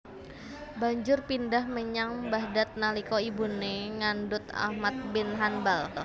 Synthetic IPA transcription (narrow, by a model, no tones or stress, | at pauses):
baɲd͡ʒʊrpindahməɲaŋbahdat̪̚nalikɔibuneŋandʊt̪a̰hmat̪̚bɪnɦanbal